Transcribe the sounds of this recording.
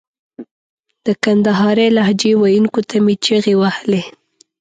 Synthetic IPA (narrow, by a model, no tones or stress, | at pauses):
d̪̥əkand̪aɦɑɾelahd͡ʒewajuŋkot̪ʰamit͡ʃəɣewahle